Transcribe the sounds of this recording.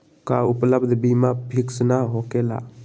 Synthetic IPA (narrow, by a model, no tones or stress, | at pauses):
kaʊpləbd̪ʱbimapʰiksnaɦokela̰